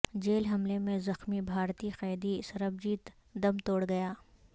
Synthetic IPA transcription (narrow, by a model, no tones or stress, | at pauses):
d͡ʒeːlɦɐmlemẽzɐxmibʱaːɾt̪iqɛːd̪isɐɾəb̚d͡ʒiːt̪ | d̪ɐmt̪oːɽɡɐjaː